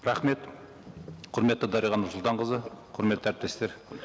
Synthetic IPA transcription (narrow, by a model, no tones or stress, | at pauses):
ɾɑχme̞t̪ | qʰʊɾme̞t̪ːɪd̪ɑɾijʁɑnʊɾsʊlˠt̪ɑɴqəzəqʰʊɾme̞t̪ːæɾɪp̚t̪est̪e̞ɾ